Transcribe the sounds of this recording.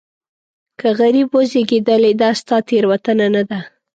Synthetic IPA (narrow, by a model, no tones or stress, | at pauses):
kaɣaɾibwəzeɡed̪əled̪ɑst̪ɑt̪eɾwat̪ənanad̪a